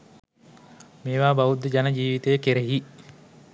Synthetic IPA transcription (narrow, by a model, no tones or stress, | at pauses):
meːʋaːbɐʋud̪ːed͡ʒɐnɐd͡ʒiːʋit̪ejkeɾeɦi